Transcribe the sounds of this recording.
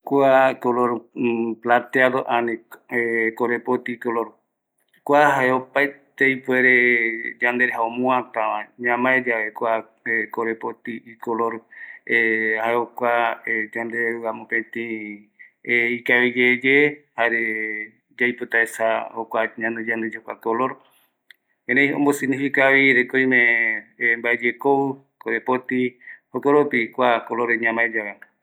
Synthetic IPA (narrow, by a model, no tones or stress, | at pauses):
kʷakoloɾplat̪eaðoʔanĩekoɾepot̪ikoloɾ | kʷaɦaeopaet̪ejpweɾed͡ʒand̪eɾeɦaomũãt̪ãʋãɲãmãed͡ʒaβekʷa | ekoɾepot̪iikoloɾehaeokʷaed͡ʒand̪euamõpẽt̪ĩ | ikaβid͡ʒed͡ʒehaɾe | d͡ʒajpot̪aesahokʷaɲãnd̪ed͡ʒand̪ed͡ʒokʷa̰koloɾ | ẽɾejõ̰mbosiɡnifikaβiɾekoĩmẽ | mbaed͡ʒekoɨ | koɾepot̪ihokoɾopikʷakoloɾeɲãmãed͡ʒaβe